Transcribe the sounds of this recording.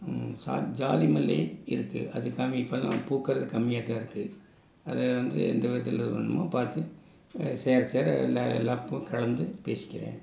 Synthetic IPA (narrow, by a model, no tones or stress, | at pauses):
sa̰ːd͡ʒaːðɪmɐlːḛːɪɾɯkːɯ̰ʔɐðɯkɐmipːɐlã̰puːkːɪɾɐðɯkɐmːɪjaːt̪ːãːɪɾɯkːɯ | ɐðɛʋɐnd̪ɯ̰ɛ̰nd̪ɐʋɐɐt̪ːɪlɐðɯpɐɳːɯma̰ːpaːɾt̪ɯ | seːɾseːɾlɐlɐpːɯ̃kɐlɐnd̪ɯpḛːsɪ̥kʲːɪɾḛ̃ː